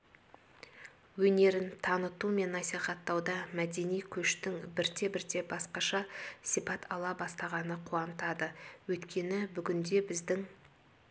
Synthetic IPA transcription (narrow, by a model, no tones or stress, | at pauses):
wɵne̞ɾɪnt̪ʰɑnət̪ume̞nːɑsijχɑt̪ːɑwd̪ɑmæd̪e̞nijkʲʰɵʃt̪ɪŋbɪɾt̪e̞bɪɾt̪e̞bɑsqɑʃɑsijpɑt̪ʰɑlˠɑbɑst̪ɑʁɑnəqʰuɑnət̪ɑd̪əwɵt̪kʲʰe̞nɪbʏɡʲɪnd̪e̞bɪzd̪ɪŋ